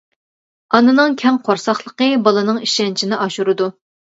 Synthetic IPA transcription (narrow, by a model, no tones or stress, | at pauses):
ɑnɨnɨŋkʲʰɛŋqʰoɾsɑχlˠəqəbɑlˠɨnɨŋiʃɛnt͡ʃʰinɪʔɑʃuɾɨd̪u